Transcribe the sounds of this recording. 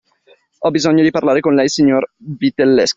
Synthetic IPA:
ɔbizoɲːod̪iparlaːɾekonlɛjsiɲːorvit̪elːɛsk

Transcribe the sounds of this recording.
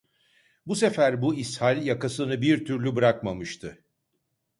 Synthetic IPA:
buse̞fæɾbuishalʲjakasɯnɯbiɾt̪ʰyɾlʲybɯɾakmamɯʃt̪ʰɯ

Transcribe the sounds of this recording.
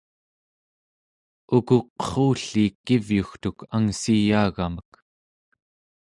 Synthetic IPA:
ukuq̚ə̥χuːɬiːkːivjuxt̪ukaŋsijaːɣamək

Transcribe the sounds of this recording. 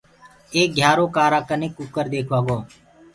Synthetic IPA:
eːk̚ɡʱjaːɾoːkaːɾaːkənɪkʊkəɾd̪eːkʰʋaːɡoː

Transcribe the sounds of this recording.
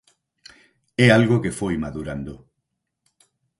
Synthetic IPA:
ɛalɣokefojmaðuɾand̪o

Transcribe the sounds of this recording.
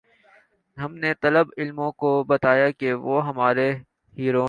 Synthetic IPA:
ɦɐmnet̪ɐləbɪlmõkobɐt̪aːjakeʋoːɦɐmaːɾe | hiːɾoː

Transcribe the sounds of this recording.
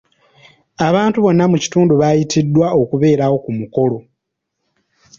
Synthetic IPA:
aβaːntuβo̞nːamuci̥tuːnduβajitʰidːwao̞kuβe̞ːɾawo̞kumuko̞lo̞

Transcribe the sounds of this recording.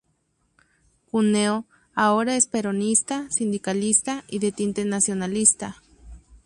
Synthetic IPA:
kuneo | aoɾaespeɾonist̪asind̪ikalist̪aiðet̪int̪eɾnasjonalist̪a

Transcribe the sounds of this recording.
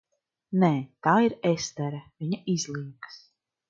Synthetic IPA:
nɛːt̪aːiɾest̪ɛɾɐviɲaʔizlˠiːks

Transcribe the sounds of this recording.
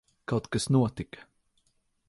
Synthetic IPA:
kawt̪kasnuɔt̪ikɐ̥

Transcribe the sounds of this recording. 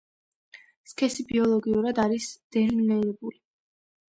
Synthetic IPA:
skʰɛsibiɔlˠɔɡiuɾad̪aɾisd̪̥ɛɾminɛɾɛbuli

